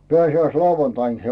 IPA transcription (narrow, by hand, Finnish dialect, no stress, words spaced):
peæˑsiæislɑuʋɑntɑin se